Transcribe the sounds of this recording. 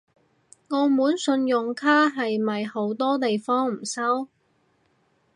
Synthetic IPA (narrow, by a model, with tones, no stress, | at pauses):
ŋɔː˨˧muː˨˥nsɵ˧njʊ˨ŋkʰaː˥ɦɐ˨jmɐ˨jho˨˥wt̪ɔː˥t̪e˨jfɔː˥ŋm̩˨˩sɐ˥w